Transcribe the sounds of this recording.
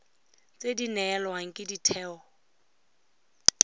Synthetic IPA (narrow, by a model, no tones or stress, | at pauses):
t͡sʼedinɛːlwaŋ̩kʼɪditʰɛːɔ